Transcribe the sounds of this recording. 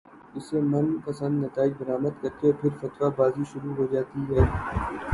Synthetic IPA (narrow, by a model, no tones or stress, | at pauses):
ɪsemɐnpɐsə̃nd̪nɐt̪aːɪd͡ʒbɐɾaːməd̪kɐɾt̪eɔːpʰɪɾfɐt̪ʋabaːziʃʊɾuɦoːd͡ʒaːt̪iɦɛː